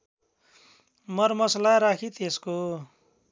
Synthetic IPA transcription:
mʌrmʌslaɾakʰit̪esko

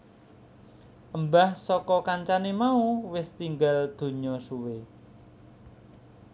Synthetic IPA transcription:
ʔəmbahsɔkɔkaɲt͡ʃanemauwɪst̪iŋɡald̪̥o̤ɲɔsuwe

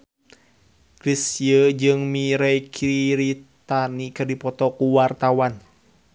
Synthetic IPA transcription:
kɾisijəd͡ʒɨŋmiɾɛkʰiiɾit̪anikɨrdipɔt̪ɔkuwart̪awan

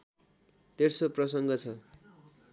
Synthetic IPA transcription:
t̪ersoprʌsʌŋɡʌt͡sʰʌ

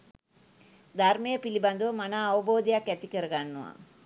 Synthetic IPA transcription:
d̪ʱaɾmejəpiliband̪uʋəmanaːʋɐboːd̪ijakːɛt̪ikəɾəɡanːuʋa̰

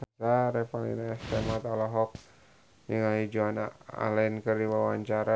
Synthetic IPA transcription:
ataɾɛpalḭnaɛst̪ɛmat̪alaɦɔk̚ | niŋaɦid͡ʒuana̰a̰lɛnkərdiwawaɲt͡ʃaɾa

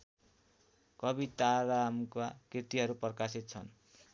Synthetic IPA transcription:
kʌbit̪aɾamkakirt̪iɦʌɾuprʌkasit̪̚t͡sʰʌn

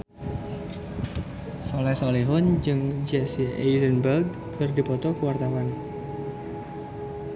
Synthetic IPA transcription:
solɛsoliɦʊnd͡ʒɨŋd͡ʒɛsiʔɛjzənbərɡ̚ | kərdipɔt̪ɔkəwart̪awan

